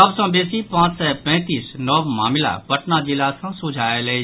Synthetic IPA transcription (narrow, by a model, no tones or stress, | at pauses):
əbsə̃beːsipãːt͡ʃsɛpɛ̃ːt̪iːsnɔːʋma̰ːmɪla̰pɐʈnad͡ʒɪlasə̃sʊd͡ʒʱaːele